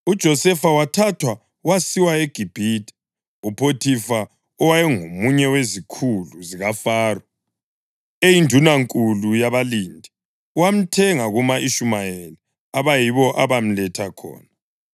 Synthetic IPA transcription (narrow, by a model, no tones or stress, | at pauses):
ud̥ʒ̥ʱɔsɛfawatʰatʰwa | wasiwaeɡ̥ʱib̥ʱiti̥ | upʰotʰifa | ɔwajɛŋomuɲɛwezikʰuluziɣafaːrɔ | ejindʱunaŋkʼulujaβalindʱi | uwam̩tʰɛŋaɣumaʔiʃumajeli | aβajiβɔʔaβam̩lɛtʰakʰɔ̰ːna